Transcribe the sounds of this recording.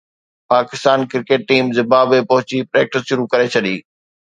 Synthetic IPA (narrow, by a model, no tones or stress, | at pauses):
paːkɪst̪aːnkɪɾkeːʈ̚ːiːmzɪbaːbepɐɦʊt͡ɕipɾeːk̚ʈɪsʃʊɾukɐɾet͡ɕʰɐɗiː